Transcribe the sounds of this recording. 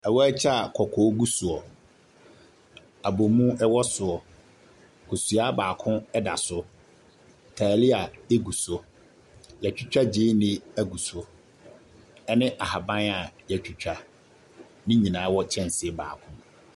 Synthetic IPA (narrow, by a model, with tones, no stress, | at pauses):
ɛ˨wɔ˦ɛ˦t͡ɕʰɛ˦a˨kʰɔ˨kʰɔː˨˦ɡu˦su˨ɔ˨ | a˨bo˨mũ˦ʔɛ˦wɔ˦sʊ˨ɔ˨ | kʰo˨su˨a˦baː˨kʰʊ̃˦ɛ˦da˨sʊ˦ | tʰaː˨lɪ˦a˨e˦ɡu˨sʊ˦ | jɛ˨t͡ɕᶣu˦t͡ɕᶣa˦d͡ʑɪ˦nɪ̃˦æ˦ɡu˨sʊ˦ | ɛ˦nɪ̃˦ʔa˨ha˨bã˦na˨jɛ˨t͡ɕᶣu˨t͡ɕᶣa˦ | nɪ̃˦ɲĩ˨nã˨˦wɔ˦t͡ɕʰɛ̃˦˨n˨sɪ˨ɛ˨ba̰ː˨kʰʊ̃˦